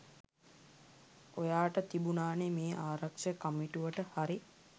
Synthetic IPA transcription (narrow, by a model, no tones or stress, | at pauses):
ojaːʈət̪ibunaːnemeːʔaːɾakʂəkamiʈuʋəʈəhaɾi